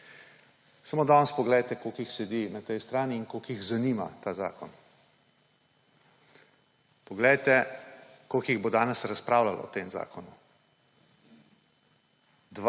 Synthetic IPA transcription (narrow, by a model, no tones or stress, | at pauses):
samoːd̪ɔnspɔɡlɛjt̪ɛkoːkixsɛd̪inat̪ɛjst̪ɾaːniːnkoːkjiɣzanima̰t̪aːza̰ːkɔn | pɔɡlɛjt̪ɛ | kokjiɣbod̪aːnɛsɾaspɾaːwlalɔ̰ɔt̪eːmza̰ːkɔnu | d̪